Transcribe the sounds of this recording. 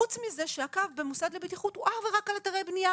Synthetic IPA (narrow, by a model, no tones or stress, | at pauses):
ut͡smize̞ʃeakavbe̞musad̪lebitiχuthuʔaχveʁakalataʁejbnija